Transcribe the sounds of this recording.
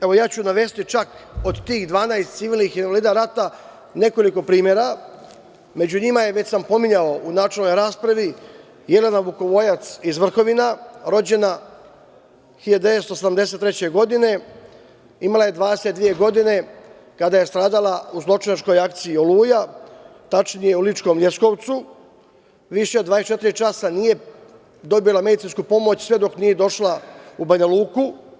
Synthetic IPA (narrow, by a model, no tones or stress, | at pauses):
eʋo̞jaːt͡ɕunaʋe̞ːst̪it͡ʃako̞d̪t̪iːxd̪ʋaːnajst̪siʋiːlˠnixinʋaliːd̪aɾat̪a | ne̞ko̞liko̞pɾiːmʲjeɾa | me̞d͡ʑuɲimajeʋe̞t͡ɕsampo̞miɲao̞unaːt͡ʃelˠno̞jɾaːspɾaʋi | jele̞naʋuko̞ʋo̞jat̪sizʋr̩xo̞ʋinaɾo̞d͡ʑe̞na | xiʎad̪eet̪st̪osed̪amd̪ese̞t̪ːɾet͡ɕe̞ɡo̞d̪ine̞ | imalaje̞d̪ʋaːd̪e̞set̪̚d̪ʋije̞ɡo̞d̪ine̞ | kad̪aje̞st̪ɾaːd̪alˠauzlˠo̞t͡ʂinat͡ʃko̞jak̚t̪siio̞luːjat̪at͡ʂnije̞ulit͡ʃko̞mlʲe̞sko̞ʋt̪su | ʋiʃe̞od̪ʋaːdest͡ʃe̞t̪iɾit͡ʃasanije̞ | d̪o̞bilˠame̞d̪it̪sinskupo̞mo̞t͡ɕsʋe̞d̪o̞knije̞d̪o̞ʃlˠaubaɲalˠuːku